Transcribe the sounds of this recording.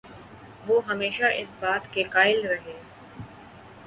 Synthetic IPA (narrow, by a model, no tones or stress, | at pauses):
ʋoːɦɐmeːʃaʔɪsbaːt̪kekaːɪlɾɐɦeː